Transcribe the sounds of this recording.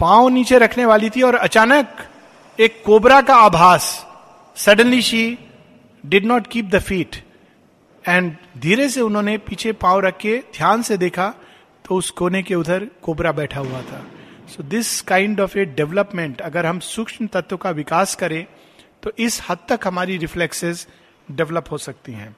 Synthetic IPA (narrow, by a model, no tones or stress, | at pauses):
pãːwniːt͡ʃeɾɐkʰneʋaːlit̪ʰiɔːɾɐt͡ʃaːnək | eːkːoːbɾakaaːbʱaːsː | ɐɾɖə̃nliʃiː | ɖɪɖnɔːʈkiːp̚d̪əfiːʈ | ɛ̃ːɳɖd̪ʱiːɾeseʊnɦõːnepiːt͡ʃʰepãːoɾɐkʰːed̪ʱjaːnsed̪eːkʰa | t̪oʊskoːnekeʊd̪ʱəɾkoːbɾabɛːʈʰaɦuat̪ʰaːsoːd̪ɪskãːɪ̃ɳɖɔːfeɖɛʋləpmẽɳʈɐɡəɾɦɐmsʊkʃmət̪ɐt̪wkaʋɪkaːskɐɾẽ | t̪oʔɪshɐd̪̚t̪əkɦɐmaːɾiɾɪfleksɪz | ɖɛʋləpɦosɐk̚t̪iɦɛ̰̃ː